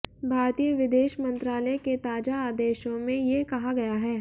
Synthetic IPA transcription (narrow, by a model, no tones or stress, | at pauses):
bʱaːɾt̪ijəʋɪd̪eːʃmə̃nt̪ɾaːləket̪aːd͡ʒaaːd̪eːʃõmẽjekɐɦaɡɐjaɦɛː